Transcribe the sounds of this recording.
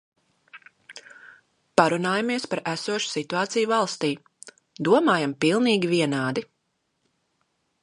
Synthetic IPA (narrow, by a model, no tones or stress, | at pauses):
paɾunaːjamiɛspaɾʔæsuɔʃu̥sit̪uaːt̪sijuvɑlˠst̪iː | d̪uɔmaːjampilˠniːɡʲiviɛnaːd̪i